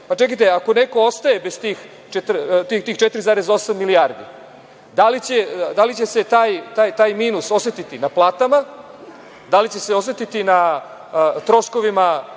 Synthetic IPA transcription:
pat͡ʃekijt̪eako̞ne̞ko̞ost̪aje̞bezt̪iːx | t͡ʃet̪ɾt̪it̪iːxt͡ʃet̪ɾizaːɾe̞zo̞samːiliaːɾd̪i | d̪alit͡ɕe̞d̪alit͡ɕe̞se̞t̪aːjt̪aːjt̪aːjmiːnuso̞set̪it̪inaplˠaːt̪ama | d̪alit͡ɕe̞seo̞s̬et̪it̪ina | t̪ɾo̞sko̞ʋima

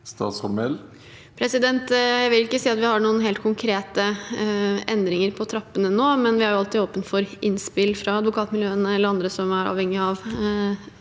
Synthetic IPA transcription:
st̪ɑ̰ːt̪sʁɔmɛl | pʰɾɛsɪd̪ɛnt̪jæɪʋɪljʊɪkːəsiːɑt̪ʋɪhɑɳuːənɦeːlt̪kʰʊŋkʰɾeːt̪ə | ʔɛnd̪ɾɪŋəɾpʰɔt̪ʰɾɑpːənənoːmɛnʋɪhæɾjʊɑlt̪ɪoːpənt̪fɔɾɪnspɪlfɾɑɑd̪ʋʊkʰɑːt̪mɪljøːənəɛlːəɾɑnd̪ɾəsɔmæɾɑ̰ːʋhɛŋːɪɑʋ

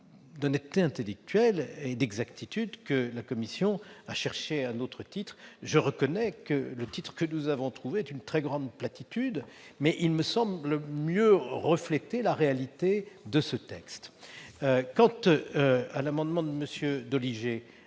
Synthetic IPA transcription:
d̪ɔnɛt̪t̪ːeɛ̃t̪elɛk̚t̪ɥɛled̪ɛɡzakt̪it̪yd̪kəlakɔmisjɔ̃aʃɛʁʃeɛ̃not̪χət̪it̪χʒəʁəkɔnɛkələt̪it̪χə̥kənuzavɔ̃t̪χuveɛt̪ynt̪χɛɡʁɑ̃d̪plat̪it̪yd̪mɛʔilməsɑ̃bləmjøʁəflɛt̪elaʁealit̪ed̪əsət̪ɛkst̪ | kɑ̃t̪ | alamɑ̃d̪mɑ̃d̪əməsjød̪ɔliʒe

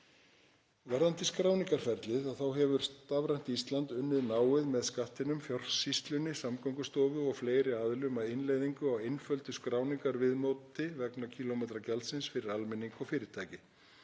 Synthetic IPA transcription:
vɛɾðant̪ɪskɾaːwniŋkaɾ̥fɛɾt̪lɪðaθawɦɛvʏɾ̥st̪avɾajn̥t̪ist̪lant̪ʏnːɪðnaːwɪðmɛðskaht̪ɪnʏmfjɔr̥sist̪lʏnːɪsamkɔwŋkʏst̪ɔːvʏɔɣfleːjɾɪaðlʏmaðɪnlejðiŋkʏawejnfœlt̪ʏskɾaːwniŋkaɾvɪðmɔːt̪ɪvɛknacʰilomejt̪ɾacɛlsɪnsfɪɾɪɾalmɪniŋkɔɣfɪːɾɪɾ̥t̪ʰaːjcɪ

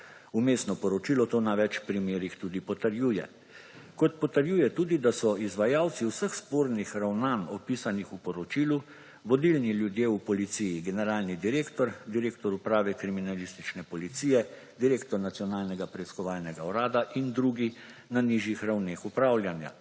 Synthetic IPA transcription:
umeːst̪nɔpɔɾɔt͡ʃiːlɔt̪oːnaʋɛt͡ʃpɾimeːɾixt̪uːd̪ipɔt̪əɾjuːjɛ̰ | kɔt̪̚pɔt̪əɾjuːjɛt̪uːd̪id̪asɔizʋajawt̪siwsəxspoːɾnixɾawnaːnɔpiːsanixupɔɾɔt͡ʃiːlu | ʋɔd̪ilniljud̪jeːupɔlit̪sijiɡɛnɛɾaːlnid̪iɾeːkt̪ɔɾd̪iɾeːkt̪ɔɾupɾaːʋɛkɾiminalist̪it͡ʃnɛpɔlit̪siːjɛ | d̪iɾeːkt̪ɔɾnat̪sijɔnaːlnɛɡapɾɛiskɔʋaːlnɛɡaɔɾaːd̪aʔind̪ɾuːɡi | naniʒjixɾawneːxupɾaːwljanja̰

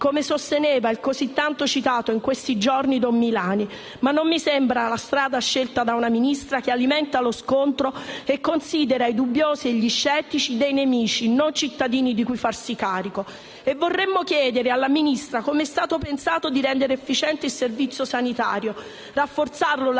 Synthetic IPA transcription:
komesost̪enɛːvailkozit̪ːant̪ot͡ʃit̪aːt̪oiŋkwest̪id͡ʒornid̪omːilaːni | manːomːisɛmbɾalast̪ɾaːd̪aʃːelt̪ad̪aunaminist̪ɾak̟ealimɛnt̪aloskont̪ɾoekːonsiːd̪eɾaid̪ubːjoːzieʎːiʃːɛːt̪ːit͡ʃid̪ejnemiːt͡ʃinont͡ʃit̪ːad̪iːnid̪ikujfarsikaːɾiko | evːorːemːokjɛːd̪eɾealːaminist̪ɾakomeɛst̪aːt̪opensaːt̪od̪iɾɛnd̪eɾɛfːit͡ʃɛnt̪eilservit̪sjosanit̪aːɾjo | rafːort̪sarlol

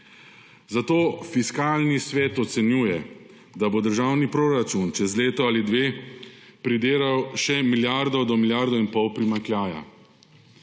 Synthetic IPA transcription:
zat̪oːfiskaːlnisʋɛːt̪ɔt̪sɛnjuːjɛ | d̪abod̪əɾʒaːwnipɾoɾat͡ʃunt͡ʃɛzleːt̪ɔalid̪ʋeːpɾid̪eːɾawʃɛmiljaɾd̪ɔd̪ɔmilʲjaːɾd̪ɔinpɔwpɾimaŋkljaːja̰

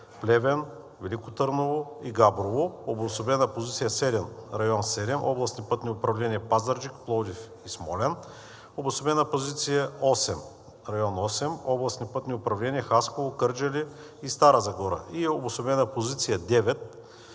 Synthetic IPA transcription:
plʲɛvɛn | vɛlikʊt̪ɤɾnovoiɡabɾovoobosobɛnɐpozit̪sijəsɛd̪ɛnɾɐjɔnsɛd̪ɛmʔɔblˠɐsnʲipɤt̪nʲiʊpɾɐvlɛniəpazɐɾd͡ʒikplˠɔd̪if | ismɔlɛn | obosobɛnɐpozit̪sijəɔsɛm | ɾɐjɔnɔsɛmɔblˠɐsnipɤt̪nʲiʊpɾɐvlɛniəxaskovokɤɾd͡ʒɐliː | st̪aɾəzɐɡɔɾə̰iobosobɛnɐpozit̪sijɐd̪ɛvɛt̪̚

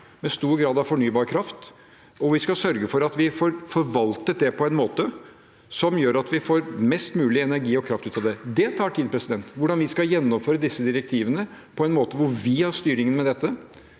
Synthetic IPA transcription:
mɛst̪uːɾɡɾɑːd̪ɑʋfɔɳyːbɑːɾkʰɾɑft̪ | ɔʋɪskɑsœɾɡəfɔɾɑt̪ʋɪfɔɾfɔɾʋɑlt̪ət̪̚d̪ɛpʰɔɛnmoːt̪ə | sɔmjøːɾɑt̪ʋɪfoːɾmɛst̪mʉːlɪɛnæɾɡiːɔkʰɾɑft̪ʉːt̪ːɑd̪ɛd̪ɛt̪ʰɑːʈʰiːd̪̚pʰɾɛsɪd̪ɛnt̪ʋʊɖɑnʋɪskɑjɛnːɔmføːɾəd̪ɪsːəd̪ɪɾɛk̚t̪ʰiːʋənəpʰɔɛnmoːt̪əʋʊɾʋɪhɑɾst̪yːɾɪŋənmɛd̪ɛt̪ːə

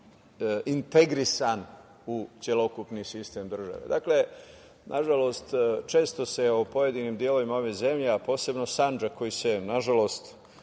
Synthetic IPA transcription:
int̪e̞ɡɾisan | usʲjelo̞kupnisist̪e̞md̪r̩ʒa̰ʋḛd̪a̰kle̞ | nʔaʒalo̞st̪t͡ʃe̞ːst̪o̞se̞opo̞je̞d̪iniːmd̪ijelo̞ʋimao̞ʋeze̞mʎeapo̞ːse̞bno̞sand͡ʒakʰo̞jisenaʒalo̞st̪

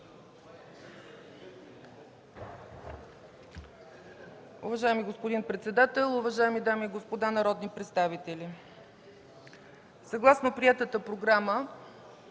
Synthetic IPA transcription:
ʊvɐʒaɛmiɡospod̪inpɾɛt̪sɛd̪at̪ɛlˠʊvɐʒaɛmid̪amiːɡospod̪anɐɾɔd̪nipɾɛt̪st̪avit̪ɛlʲi | sɐɡlˠasnopɾiɛt̪ət̪əpɾoɡɾamə

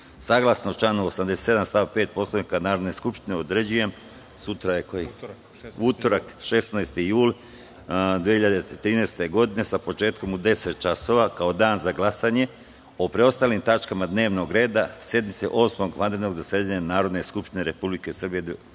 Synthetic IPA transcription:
saːɡlˠasnot͡ʃlanuosamd̪eset̪se̞d̪amst̪aʋpe̞ːt̪̚po̞sloʋnikanaːɾo̞d̪neskupʃt̪ineod̪ɾe̞d͡ʑujem | sut̪ɾajeko | ut̪oɾakʃe̞snajst̪ijuːl | d̪iehiʎad̪et̪ɾiːneːst̪e̞ɡo̞d̪ine̞sapo̞t͡ʃe̞ːt̪ko̞mud̪e̞set̪̚t͡ʃaso̞ʋakao̞d̪aːnzaɡlasaɲe̞ | opɾeo̞st̪aːlimt̪at͡ʃkamad̪ne̞ːʋno̞ɡɾe̞ːd̪asje̞d̪mit̪sḛʔo̞smo̞ɡʋad̪ɾnoɡzasjed̪aɲanaːɾo̞d̪ne̞skupʃt̪ine̞ɾe̞publikesr̩bije

